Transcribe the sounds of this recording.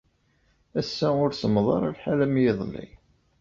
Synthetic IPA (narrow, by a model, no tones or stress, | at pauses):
æsːæʊɾsəmðˤɑ̰ɾˤalħalæmjɪðˤlːḭ